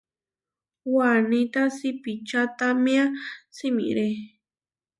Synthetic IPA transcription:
wanĩt̪asipit͡ʃat̪amĩãsimḭ̃ɾe

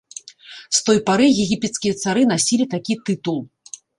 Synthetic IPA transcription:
st̪ɔjpaɾɨɣʲɛɣʲipʲɛt̪skʲijɐt̪saɾɨn̪asʲilʲit̪akʲit̪ɨt̪ulˠ

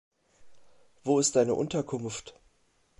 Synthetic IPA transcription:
v̥oːɪstd̥aɪnəʔʊntɐkʰʊnft

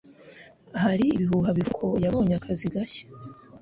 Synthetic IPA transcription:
ɦaɾiːβiɦuɦaβiɾkʰo̞jaβo̞ːɲakʰaziɡaçe̥

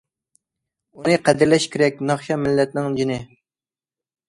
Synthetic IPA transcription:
unɨqʰæd̪ɪɾlɛʃkʲʰeɾɛk̚ʲnɑχʃɑmɪlːɛt̪̚nɪŋd͡ʒinɪ

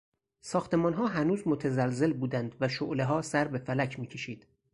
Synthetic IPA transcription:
sɒːxt̪ʰe̞mɒːnɦɒːɦænuːzmot̪ʰæzælze̞lbuːd̪ænd̪væʃoʔleɦɒːsæɾbe̞fælæcʰmiːcʰe̞ʃiːd̪̥

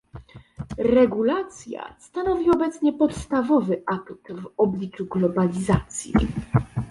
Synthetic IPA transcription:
ɾɛɡulat̪sʲja̰st̪anɔvʲiɔbɛt̪sɲɛpɔt̪st̪avɔvɘʔakt̪vɔblʲit͡ʂuɡlɔbalʲizat̪sʲjḭ

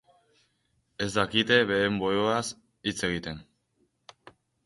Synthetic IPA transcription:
e̞zd̪akit̪e̞βe̞embo̞joas | it͡se̞ɣ̞it̪e̞n

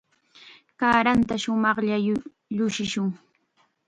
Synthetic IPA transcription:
kaːɾant̪aʃʊmɑχʎa | ʎʊʃɪʃʊŋ

